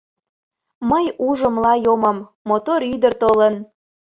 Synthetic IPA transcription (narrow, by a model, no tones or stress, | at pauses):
məjuʒə̆mlɑjomə̆mː | ot̪oɾyd̪ərt̪olən